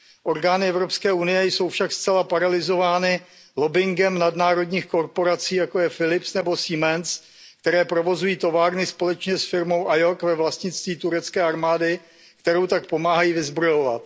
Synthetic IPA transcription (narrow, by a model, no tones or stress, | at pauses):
ʔo̞ɾɡaːnɪɛvɾo̞pskɛːunɪjɛjso̞wfʃakst͡sɛlapaɾalɪzo̞vaːnɪ | lo̞bɪŋɡɛmnadnaːɾo̞dɲiːxko̞ɾpo̞ɾat͡siːjako̞jɛfɪlɪpsnɛbo̞siːmɛns | k̚t̪ɛɾɛːpɾo̞vo̞zujiːt̪o̞vaːɾnɪspo̞lɛt͡ʃɲɛsfɪɾmo̞wʔajo̞kvɛvlast̪ɲɪt͡st̪viːt̪uɾɛt͡skɛːʔaɾmaːdɪ | k̚t̪ɛɾowt̪ak̚po̞maːɦajiːvɪzbɾo̞jo̞vat̪